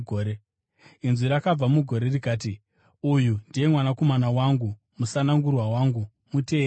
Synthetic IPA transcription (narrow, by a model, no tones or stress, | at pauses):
oːɾe | inzwiɾakab͡vamuɡʱo̞ɾe̞rikaːt̬i | ujundije̞mwanako̞manawaŋɡu | musanaŋɡurwawaːŋɡu | mute̞ː